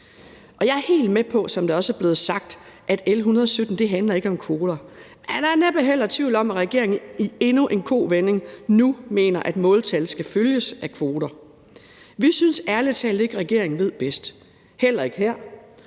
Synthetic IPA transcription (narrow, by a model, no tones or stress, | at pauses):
ʔɒ̽jɑ̈æɐhe̝̰ːld̥mepʰɒ̽sɒ̽md̥ɑ̈ɒ̽səæɐb̥le̝ːð̞̩ˠsɑ̈ɡ̥̚d̥ʔæd̥elɦunɐð̞ˠɒ̽sød̥n̩d̥e̝ɦænlɐe̝ɡ̥əɒ̽mkʰʋo̝ːd̥ɐmenæd̥ɑæɐneb̥æɦel̰ɐt͡sʰʋiʊl̩ɒ̽mæʁɛɡ̥e̝ɐeŋie̝nuʔe̝nkʰo̝̰ːʋene̝ŋnume̝̰ːnɐʔæd̥mɔ̽ːlt͡sʰælsɡ̥æføljəsækʰʋo̝ːɾ̥ɐ | ʋisynsæɐlət͡sʰɛ̰ːlð̩ˠe̝ɡ̥əʁɛɡ̥e̝̰ɐ̰eŋ̩ʋe̝ð̞̰ˠb̥esd̥ | hel̰ɐe̝ɡ̥əɦeɐ̰